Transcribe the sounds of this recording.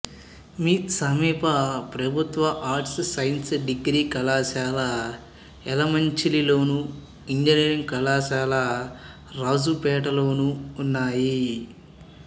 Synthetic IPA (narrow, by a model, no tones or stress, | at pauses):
miːsɐmiːpɐpɾɐbʱut̪ʋɐʔaːɾʈssɐjnsɖiɡɾiːkɐlaːʃaːlɐ | ɛlɐmɐɲt͡ʃililoːnu | iɲd͡ʒɐniːɾiŋkɐlaːʃaːlɐ | ɾaːd͡ʒupɛːʈɐlo̞ːnuːnːaːji